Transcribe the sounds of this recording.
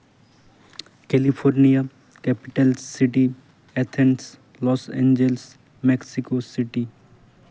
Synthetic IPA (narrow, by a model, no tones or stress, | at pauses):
kɛlipʰoːɾnija | kɛpɪʈəlsiʈi | ɛt̪ʰɛns | lɔːsḛ̃ːɲd͡ʒels | meksikosɪʈi